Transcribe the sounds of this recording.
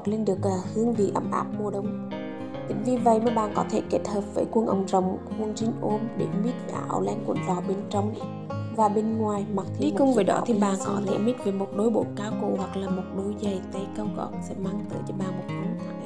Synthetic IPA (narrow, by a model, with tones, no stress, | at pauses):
t̚le˧nɗɨ˨˩ək̚laː˨˩hɨ˧əŋvḭ˨˩ʔə˧˦mʔaː˦˥p̚mu˧əɗə˧wŋ͡m | t̪i˧˨˩ŋ̟vi˨˩və̰˧˨jmaː˨˩ɓaː˨˩nkɔ˨˦t̪ʰe˧˩ke˦˥t̚həː˨˩p̚vəː˧˩jkwə˧nʔə̰˧˩wŋ͡mzə˨˩wŋ͡mkwu˧nzi˧˦ŋʔo˧mɗḛ˧˩mi˦˥t̚ɗa̰ː˧˩ʔa̰˧˩wlɛ˧nkwə̰˧˩ənvaː˨˩wɓe˧nt͡ɕɔ˧wŋ͡m | vaː˨˩ɓe˧nŋwaː˨˩jma˨˩k̚t̪ʰi˧ɗi˧˦kʊ˧ŋ͡mvəː˨˩jɗɔ̰˨˦i˨˩ɓaː˨˩nkɔ˧˦t̪ʰe˧˩mi˦˥t̚ve˨˩mo˨˩t̚ɗo˨˦jɓo̰˧˨kaː˨˦wko̰˧˩hwa˨˩k̚laː˨˩mo˨˩t̚ɗo˨˦jzə˨˩jt̪ə˧jkə˧wɣɔ̰˧˩k̚sɛ̰˧˥maː˧˩ŋt̪ə̰ː˧˩t͡ɕɔ˧ɓaː˨˩mo˨˩t̚kə˨˧˦aː˧˦˨